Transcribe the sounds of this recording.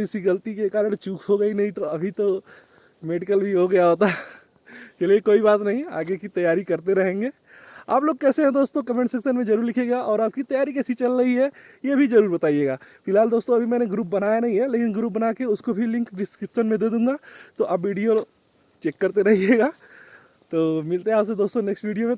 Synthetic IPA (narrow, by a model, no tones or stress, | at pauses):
ɪsiɡɐlt̪ikekaːɾəɽ̃t͡ʃuːkʰɦoɡɐinɐɦĩt̪oɐbʱit̪o | meːɖɪkəlbʱiɦoɡɐjaɦoːt̪a | keliekoːibaːt̪nɐɦĩa̰ːɡekit̪ɐjːaːɾikɐɾt̪eɾɐɦẽːŋɡeː | a̰ːploːɡ̚kɛːseɦɛ̃d̪oːst̪õkɐmẽɳʈseksənmẽd͡ʒɐɾuːɾlɪkʰeːɡaʔɔːɾaːp̚kit̪ɐjaːɾikɛːsit͡ʃɐlɾɐɦiɦɛ | jebʱizɐɾuːɾbɐt̪aːieːɡaːfɪlɦaːld̪oːst̪õɐbʱimɛ̃ːneɡɾuːp̚bɐnaːjanɐɦĩɦɛleːkɪnɡɾuːp̚bɐnaːkeʊskobʱilɪ̃ŋkɖɪskɾɪpʃənmẽd̪eːd̪ũːŋɡaːt̪oʔɐbʋiːɖijo | t͡ʃeːkːɐɾt̪eɾɐɦieːɡaː | t̪oːmɪlt̪eɦɛ̃aːpsed̪oːst̪õnɛksʈʋiːɖijomẽ